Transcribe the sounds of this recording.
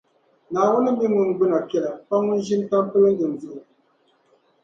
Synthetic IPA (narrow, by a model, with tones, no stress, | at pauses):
naː˨wu˦nɨ˦m̩˦bi˦ŋu˦ŋ˨ɡ͡bɨ˦na˨kɛ˦˨la˨pa˦ŋu˦n˦ʒi˦n˦ta˦m˦pɨ˦lɨ˦ŋ̩˦ɡɨ˨n˨vɨ˦ʔ